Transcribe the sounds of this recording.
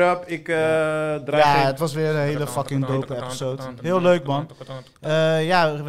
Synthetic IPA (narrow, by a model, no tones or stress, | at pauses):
əpɪk | drajaətʋɑsʋɪːrənɦejləfɑkɪŋdowpəɛpisowtɦɪəlˠløɥkmɑn | əjaʋ